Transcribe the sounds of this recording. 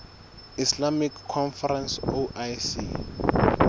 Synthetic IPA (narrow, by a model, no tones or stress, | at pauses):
islamikʰːɔnfarɛnsoʔajsḭ